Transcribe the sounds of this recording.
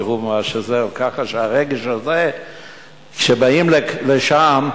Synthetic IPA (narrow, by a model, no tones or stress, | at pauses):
ʁumaʃezekaχaʃeaʁeɡeʃhaze | kʃebaimleleʃam